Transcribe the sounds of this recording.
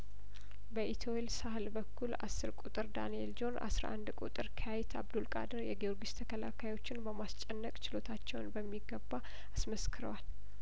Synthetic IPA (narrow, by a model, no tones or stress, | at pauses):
bəʔit̪ʰoelsahlbəkːula̰sːɨɾkʼut̪ʼɨɾd̪a̰nield͡ʒo̞nʔa̰sɾa̰ʔa̰nd̪kʼut̪ʼɨɾkʰəjajɛt̪ʰa̰βd̪ulkʼa̰d̪əɾjɛɡioɾɡist̪ʰəkʰəlakʰajwo̞t͡ʃːɪnbəmast͡ʃʼːɛnːəkʼt͡ʃɪlo̞t̪ʰat͡ʃːɛwnbəmːiɡːəbːa | asməskʰɨɾə̰wal